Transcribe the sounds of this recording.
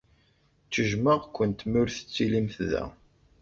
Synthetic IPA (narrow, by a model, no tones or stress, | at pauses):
t͡sːəʒməʁkʷːənt̪mʊɾθə̥t͡sːilimθðæ̰